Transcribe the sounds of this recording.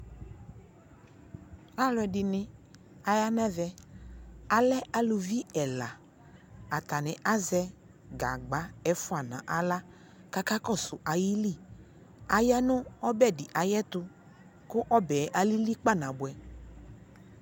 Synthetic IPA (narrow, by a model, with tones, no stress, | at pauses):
a˦lʊ˨ɛ˨dɪ˨nɪ̃˦ | a˨ja˦nɛ˦vɛ˨ | a˨lɛ˦a˨lʊ˨vi˦ɛ˨la˨ | a˨t̪a˨nɪ̃˨ʔa˦zɛ˦ | ɡa̰˨ɡ͡ba˨˦ɛ˦fʊ˦a˨nã̰˨ʔa˨la˦ | ka˦ka˦kɔ˦˨sʊ˨ʔa˨ji˦li˦˨ | a˨ja˦nʊ̃˦ɔ˦bɛ˦˨dɪ˨ʔa˨jɛ˦t̪ʊ˧ | kʊ˦ʔɔ˦bɛ˨˦ʔa˨li˦li˦k͡pa˦˨nã˨bʊ˨ɛ˨